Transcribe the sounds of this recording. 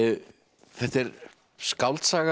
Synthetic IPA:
θɛht̪ɛɾ | skawlt̪saːɣ

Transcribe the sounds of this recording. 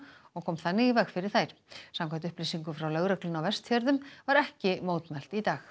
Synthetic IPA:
ɔɣkʰɔːmθanːɪɣivɛxfɪɾɪɾ̥θajɾ̥samkʰant̪ʏhplisiŋkʏfɾawlœɣɾœklʏnawvɛrst̪fœɾðʏmvaɾɛhcɪmoːwt̪mɛl̥t̪it̪aːx

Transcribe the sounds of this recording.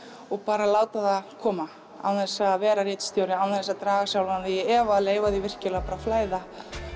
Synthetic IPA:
ɔɣpaːɾalaːwt̪aðakʰɔːma | a̰wθɛsavɛːɾarɪt̪st̪jowɾɪawnθɛsaðt̪ɾaːɣasjawlvanðɪjɛɛvaleːjvaðivɪr̥cɪlaɣpaːɾaflaːjða

